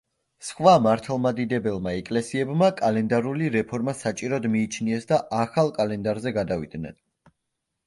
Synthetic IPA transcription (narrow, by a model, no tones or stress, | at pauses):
sχwamaɾt̪ʰalˠmad̪id̪ɛbɛlˠmaɛkʼlɛsiɛbmakʼalɛnd̪aɾuliɾɛpʰɔɾmasat͡ʃʼiɾɔd̪miːt͡ʃʰniɛsd̪aʔaχalˠkʼalɛnd̪aɾzɛɡad̪avḭd̪̥nɛ̰n